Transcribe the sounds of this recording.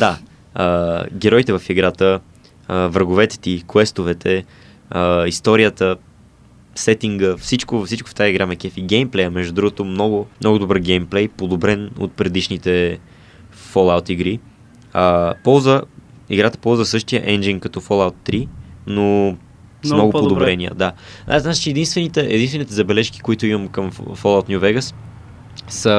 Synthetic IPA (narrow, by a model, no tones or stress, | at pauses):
d̪a | əɡʲɛɾɔjt̪ɛvɐfiɡɾat̪ə | əvɾəɡʊvɛt̪ɛ̥t̪ikwɛst̪ovɛt̪ʰɛ | əist̪ɔɾiət̪ə | sɛt̪iŋɡəfsit͡ʃkʊfsit͡ʃkʊ̥ft̪ajəiɡɾamɛk̟ʲɛfiɡɛjmplɛjəmɛʒd̪ʊd̪ɾuɡot̪omnɔɡʊmnɔɡʊd̪obɤɾɡɛjmplɛjpod̪obɾɛno̰t̪̚pɾɛd̪iʃnit̪ɛ | folˠawt̪iɡɾi | əpɔlˠzvə | iɡɾat̪ə̥pɔlˠzvəsɤʃt̪ijə̰ʔɛnd͡ʒinkɐt̪ɔfolˠawt̪ːɾino | mnoɡopdod̪obɾɛniə̰d̪aʔaznat͡ʃɛ̥t͡ʃɛɛd̪inst̪vɛnit̪ɛʔɛ̰d̪inst̪vɛnit̪ɛzɐbɛlɛʃki̥koit̪ʊiməmkəmfolˠaʊwt̪nʲuvɛɡəs | sə